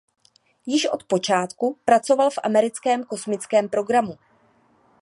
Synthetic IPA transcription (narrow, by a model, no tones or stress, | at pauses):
jɪʃʔo̞̰t̪po̞t͡ʃaːt̪kupɾat͡so̞valfʔa̰mɛɾɪt͡skɛːmko̞smɪt͡skɛːmpɾo̞ɡɾamu